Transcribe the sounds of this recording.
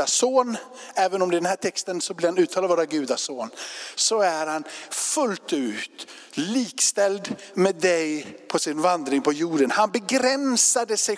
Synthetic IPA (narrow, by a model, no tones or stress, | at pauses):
asoːnɛːvənɔmd̪ɛɪd̪ɛnhæːʈʰɛkst̪ənsɔblɪɾhanʉt̪ʰɑːlavːɾaɡʉ̟ːd̪asoːnsɔæɾhanfɵlt̪ʉ̟ːt̪ | liːkst̪ɛld̪ | mɛd̪ɛjpʰɔsɪnvand̪ɾɪŋpʰɔjuːɖənhanbɛɡɾɛnsad̪əsɛ